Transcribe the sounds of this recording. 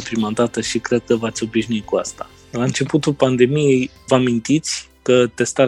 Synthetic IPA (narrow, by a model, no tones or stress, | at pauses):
epɾimad̪at̪əʃikɾe̞d̪̚kəvat̪sʲo̞biʃnuit̪̚kuast̪a | laɨnt͡ʃe̞put̪ulpand̪e̞mije̞j | vəamint̪it̪sʲkət̪e̞st̪aɾ